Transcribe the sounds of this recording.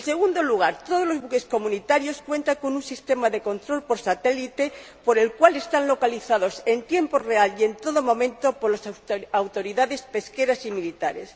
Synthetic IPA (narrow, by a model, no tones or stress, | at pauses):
ense̞ɣund̪o̞luɣ̞aɾt̪oð̞olo̞zβuke̞sko̞mũnit̪aɾjo̞skwẽ̞nt̪aŋko̞nunsist̪e̞maðe̞ko̞nt̪ɾo̞lpoɾsat̪e̞lit̪e̞ | po̞ɾe̞lkwale̞st̪anlo̞kaliθaðo̞se̞nt̪je̞mporealje̞nt̪o̞ðomõ̞mẽ̞nt̪o̞po̞ɾlasawt̪o̞ɾiðaðe̞spe̞ske̞ɾasimilit̪aɾes